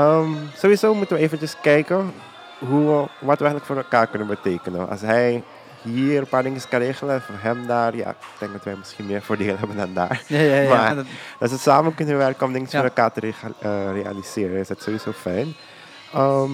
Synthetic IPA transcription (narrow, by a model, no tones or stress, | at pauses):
əmsoːʋizoːmutənʋəeːvənt͡ʃəskɛjkə | ɦuəʋɑtʋəɛxətləkfoːɾɛlˠkaːɹkɵnənbəteːkənəʔɑ̰sɦɛj | ɦiːrənpaːɹdɪŋəskanreːɣələfoːɦɛmdaːrja̰k̚tɛŋk̚dɑtʋɛjmɪsxinmɪːɹfoːɹdeːlˠɦɛbəndɑnda̰ːɹmadɑtsəsaːmənkønəʋɛrkəɔmdɪŋəsfoːɾɛlˠkaːɹtərəreːa̰lisɪːɾənɪsdɑtsoːʋizoːfɛjn | əm